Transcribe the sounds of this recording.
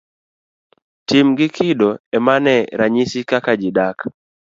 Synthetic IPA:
tɪmɡɪkʰɪdoɛmanɛɾaɲisikakad͡ʒɪdak

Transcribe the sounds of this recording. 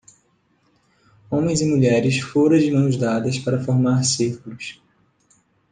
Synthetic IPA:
õmẽj̃zɪmuʎɛɾɪsfoɾɐ̃d͡ʒɪmɐ̃w̃zd̪ad̪ɐspaɾɐfoɾmaɾsihkulus

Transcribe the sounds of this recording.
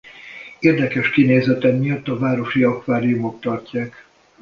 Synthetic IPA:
eːrd̪ɛkɛʃkineːzɛt̪ɛmmijɒt̪ːɒvaːɾo̞ʃiɒkʋaːɾijumo̞kt̪ɒrcaːk

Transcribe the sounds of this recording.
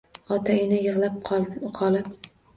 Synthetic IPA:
ɒt̪ʰaɪnɪjɨʁlˠap̚ʰqʰɒlˠɪp̚

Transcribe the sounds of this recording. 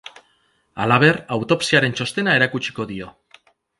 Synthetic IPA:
a̰laβ̞e̞rawt̪o̞psiaɾe̞nt͡ʃo̞st̪e̞nae̞ɾakut͡ʃi̥ko̞ðio̞

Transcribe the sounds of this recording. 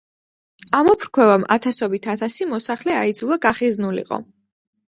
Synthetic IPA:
amɔpʰɾkʰwɛvamʔa̰t̪ʰasɔbit̪ʰat̪ʰasimɔsaχlɛaid̪zulˠaɡaχiznulḭqʼɔ̰

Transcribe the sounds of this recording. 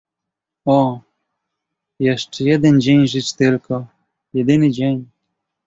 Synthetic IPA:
ɔ | jɛʂt͡ʂɛjɛd̪ɛnd͡ʑeɲʐɘt͡ɕt̪ɪlkɔ | jɛd̪ɘnɘd͡ʑeɲ

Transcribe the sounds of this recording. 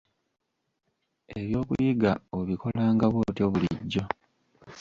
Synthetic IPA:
eβjo̞ːkujiɡaoβikʰo̞laːŋɡaβwoːtjo̞βuliɟːo̞

